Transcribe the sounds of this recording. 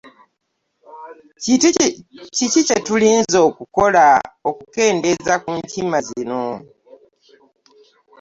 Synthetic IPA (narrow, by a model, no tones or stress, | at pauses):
cicicetuliːnzo̞ːkuko̞laokuke̞ːnde̞zakuɲtʰimazino̞